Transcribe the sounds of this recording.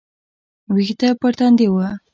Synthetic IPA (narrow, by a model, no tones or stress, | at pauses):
wixt̪apəɾt̪and̪ewa